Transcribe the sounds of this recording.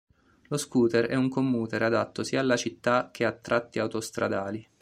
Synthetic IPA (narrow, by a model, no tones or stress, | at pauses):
loskuːt̪ɛɾɛ̰uŋkomːuːt̪ɛɾad̪at̪ːosiːaːlːat͡ʃit̪ːak̟ʰːeat̪ːɾʔat̪ːiawt̪ost̪ɾʔa̰d̪aːli